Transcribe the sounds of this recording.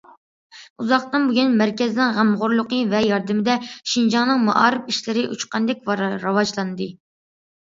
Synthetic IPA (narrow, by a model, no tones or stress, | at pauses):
uzɑχt̪ɨnbyɡʲynmæɾkʲɛzɪnɪŋʁæmʁʊɾlˠʊqəvɛjɑɾd̪ɨmɪd̪ɛʃind͡ʒɑŋnɨŋmɑ̰ʔɑ̰ːɾɨpiʃlɪɾɪʔṵt͡ʃqɑnd̪ɛk̚ʲvɑɾɑwɑd͡ʒlˠɑnɨd̪ɨ